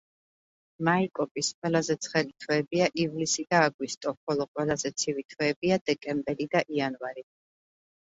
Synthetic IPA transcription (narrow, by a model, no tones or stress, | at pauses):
maikʼɔpʼisqʼwɛlˠazɛt̪sʰχɛlit̪ʰwɛːbiaʔivlisid̪aːɡwist̪ʼɔχɔlˠɔqʼwɛlˠazɛt̪sʰivit̪ʰwɛːbiad̪ɛkʼɛmbɛɾid̪aʔianvaɾi